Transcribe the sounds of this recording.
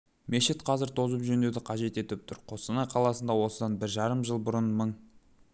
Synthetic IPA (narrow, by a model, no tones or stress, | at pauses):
meʃɪt̪qʰɑzɪɾt̪ʰo̞zəpʒɵnd̪e̞d̪ɪqʰɑʒe̞t̪e̞t̪ɪp̚t̪ʰʊɾqʰo̞sənɑjqʰɑlˠɑsənd̪ɑwo̞səd̪ɑnbɪɾʒɑɾəmʒəlˠbʊɾənməɴ